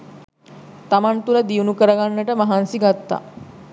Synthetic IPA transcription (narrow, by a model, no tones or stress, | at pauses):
t̪amant̪uləd̪iunukəɾəɡanːəʈəmaɦansiɡat̪ːa̰